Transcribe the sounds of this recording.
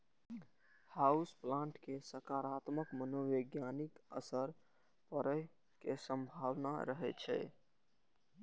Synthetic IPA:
hausplãɳʈkesəkaɾat̪məkmənoʋəɡjanikə̰səɾ | pəɾəj | kesəmbʱawnaɾəɦɛt͡ʃʰɛ̰

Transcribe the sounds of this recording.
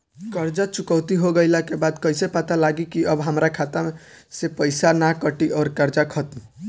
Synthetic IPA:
kəɾd͡ʒat͡ʃukɔʊt̪iɦoɡəɪlakebad̪kəɪsepat̪alaɡikiəbɦəmɾakʰat̪ame | sepəɪsanakəʈiʔɔːɾkəɾd͡ʒakʰət̪m

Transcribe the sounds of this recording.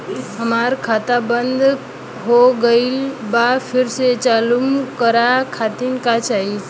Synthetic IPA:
ɦəmaɾkʰat̪abənd̪ | ɦoɡəɪlbapʰɪɾset͡ʃalumkəɾakʰat̪inkat͡ʃaɦi

